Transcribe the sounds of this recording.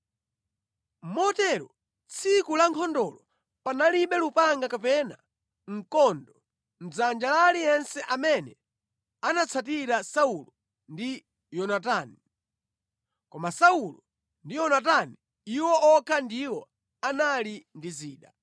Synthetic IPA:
m̩mɔtɛɾɔ | t͡sʰikulaŋkʰɔndɔlɔ | panaliɓɛlupaŋɡakapɛna | ŋ̩kɔndɔ | m̩d͡zand͡ʒalalijɛnsɛʔamɛnɛ | anat͡sʰat̬iɾasaulɔ | ndi | jɔnataːni | kɔmasaulɔ | ndijɔnat̬ani | iwɔʔɔkʰandiwɔ | analindiziːɗa

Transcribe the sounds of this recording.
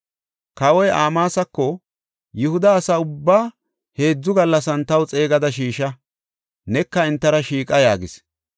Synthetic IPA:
kɐwɔjʔaːmaːsɐkːɔ | jʊhʊd̪ɐːsɐʊbːaː | he̞ːd͡zːʊɡɐlːɐs̬ɐnt̪ɐwt͡sʼe̞ːɡɐd̪ɐʃiːʃɐ | nɛkːɐɪnt̪ːɐɾɐʃiːkʼɐjaːɡɪs

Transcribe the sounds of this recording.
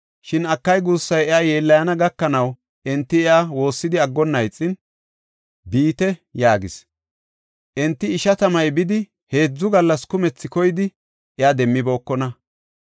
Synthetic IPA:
ʃɪnɐkːɐjɡuːsːɐjɛaːjeːlːɐjɐnɐɡɐkːɐnɐw | ʔɛnt̪ːɪɛaːwo̞ːsːɪd̪ɪɐɡːɔnːɐjt͡sʼːɪn | biːt̪ɛjaːɡɪs | ʔɛnt̪ːɪːʃɐt̪ɐmɐjbɪd̪ɪ | he̞ːd͡zːʊɡɐlːɐskʊmɛt͡sːɪkɔjɪd̪ɪ | ʔɛaːd̪ɛmːɪbo̞ːkːɔnɐ

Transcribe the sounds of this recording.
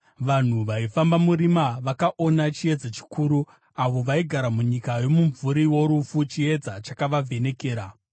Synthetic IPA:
ʋan̤uʋaifambamuɾimaʋakaʔo̞nat͡ʃie̞d͡zat͡ʃi̥kuːɾu | aʋo̞ʋaiɡʱaɾamuɲikajo̞muɱvuɾiwo̞ɾufut͡ʃie̞d͡zat͡ʃakaʋavʱe̞ne̞ke̞ːɾa

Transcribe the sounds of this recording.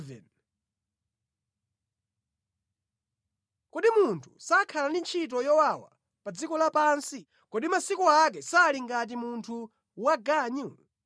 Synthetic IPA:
vɛ̰n | kɔɗimuntʰu̥sakʰalandint͡ʃʰit̬ɔjɔwawa̰ | pad͡zikɔlapaːnsi | kɔɗimasikɔak̬ɛsaːliŋɡat̬imuntʰu | waɡaːɲu

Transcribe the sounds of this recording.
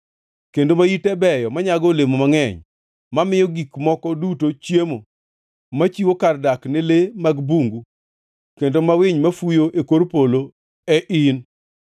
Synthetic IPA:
kendomajitɛbɛjɔmaɲaɡɔlemomaŋɛɲ | mamɪjɔɡikmɔkɔdutot͡ʃjemo | mat͡ʃiwokardaknɪlemaɡbuŋɡu | kendomawɪɲmafujoʔekoɾpolo | ɛʔin

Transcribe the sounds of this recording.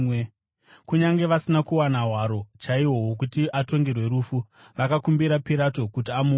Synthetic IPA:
kuɲaŋɡe̞ʋasinakuwanaɦwaɾo̞t͡ʃaiwo̞wok̬utiʔato̞ŋɡe̞rwe̞ɾufu | ʋakakumbiɾapiɾato̞kutiamu

